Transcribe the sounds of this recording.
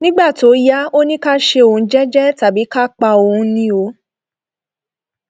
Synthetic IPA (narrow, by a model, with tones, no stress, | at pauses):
nĩ˦ɡ͡ba˦˨to˨˦ja˦o˦nĩ˦ka˦ʃe˧õ˨˧˦d͡ʒɛ˦d͡ʒɛ˦ta˨bi˨˦ka˦k͡pa˧o˧˨hũ˧˦nĩ˦o˧˦